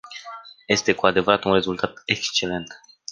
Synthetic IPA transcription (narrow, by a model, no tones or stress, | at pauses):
je̞st̪e̞kuad̪e̞vəɾat̪unre̞zult̪at̪e̞kst͡ʃe̞le̞nt̪